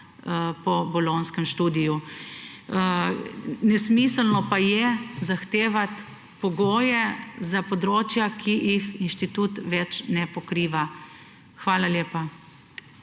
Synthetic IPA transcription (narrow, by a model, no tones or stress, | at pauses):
pɔbɔlonskɛmʃt̪uːd̪iju | nɛsmisəlnɔpajɛzaxt̪eːʋat̪ | pɔɡoːjɛzapɔd̪ɾoːt͡ʃjakʰijixinʃt̪it̪uːt̪ʋɛt͡ʃnɛpɔkɾiːʋa | xʋaːlaljeːpa